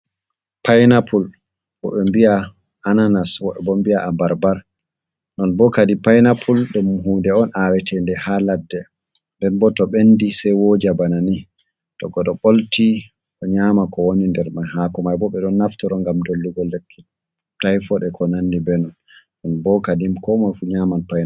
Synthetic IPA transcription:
pajnapʰul | ɓɔ̰ɓɛmbia | ananaswɔɛbɔmbiaʔabaɾbaɾ | nɔnbɔkadipajnapʰulɗɛmuɦundɛɔnʔawɛtʰɛndɛhaladːɛ | ndɛnbɔtɔɓendisɛjwoːd͡ʒabanani | tɔ̰ɡɔɗɔɓolti | ɗɔɲamakɔwonindɛɾmajhakɔmajbɔɓɛɗɔnːaftɔɾɔŋɡamdolːuɡɔlːekʰːi | tajfɔɗɛkʰɔnanːibɛnɔnː | ɔnbɔkadimkɔmajfuɲamanpajna

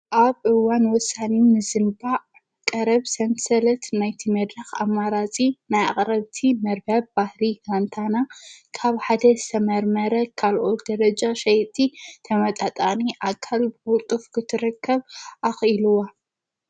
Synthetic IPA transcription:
ʔaβʔɨwanwɔsanimɨzɨmbaʔ | kʼɐɾɐβsɐnsɐlɐt̪najt̪ʰimɐd̪ɾɐxa̰mːaɾat͡sʼinaja̰χʼɾɐβt̪ʰimɐɾbɐbbahɾiɡant̪ʰanakʰaβħad̪ɐst̪ʰɐmɐɾmɐɾɐkʰːalʔot̪d̪ɐɾɐd͡ʒaʃɐjt̪ʰːit̪ʰɐmɐt̪ʼat̪ʼaniʔakʰːalbɨkut̪ʼufkʰɨt̪ʰɨɾɨkʰːɐβʔaxiluwa

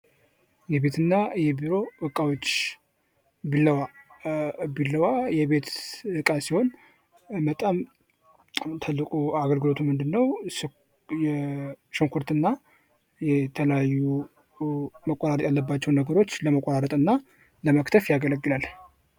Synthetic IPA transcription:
jɛβe̞t̪ʰɨnːajɛbiɾo̞bəkʼːawo̞t͡ʃː | bilːəwa | bilːəwajɛβe̞t̪ɨkʼasiho̞n | mət̪ʼam | t̪ʰalːɨkʼuaɡəlɡɨlo̞t̪ʰumɨnd̪ɨnːəw | jɛʃəŋkʰuɾt̪ɨnːa | jɛt̪ʰələjajːu | məkʼoɾaɾət̪ʼjalːəbːat͡ʃːɛwnəɡəɾo̞t͡ʃːləməkʼoɾaɾət̪ʼɨnːa | ləməkt̪ʰəfjaɡələɡːɨlal

